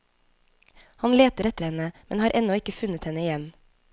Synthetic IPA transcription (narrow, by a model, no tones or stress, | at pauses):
hɑnleːt̪əɾɛt̪əɾhɛnəmɛ̰nhɑːɾʔɛnɔɪkəfʉnət̪hɛnəɪjɛn